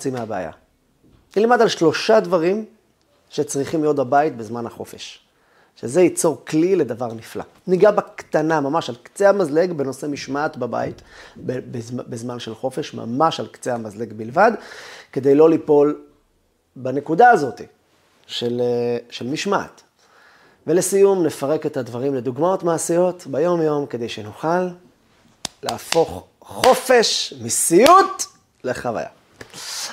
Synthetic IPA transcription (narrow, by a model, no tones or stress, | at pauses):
t͡simeabea̰ja̰ | nilimad̪alʃlo̞ʃad̪vaʁim | ʃet͡sʁiχimlijo̞t̪̚babait̪̚bezmanhaχo̞feʃ | ʃezejit͡so̞ʁklile̞d̪avaʁnifla̰ | niɡabakt̪anamamaʃalkt͡sehamazleɡbe̞no̞se̞miʃmaːt̪baba̰it̪bebezbezmanʃelχo̞fe̞ʃma̰maʃalkt͡seamazle̞ɡbilvad̪ke̞de̞jlo̞lipo̞l | bane̞kudaːzo̞t̪i | ʃelʃelmiʃma̰t | velesijumne̞faʁe̞kethadvaʁimle̞d̪uɡmao̞tmaːsijo̞tbajo̞mjo̞mked̪e̞jʃenuχal | aafo̞χ | χo̞fe̞ʃmisijut | le̞χava̰ja̰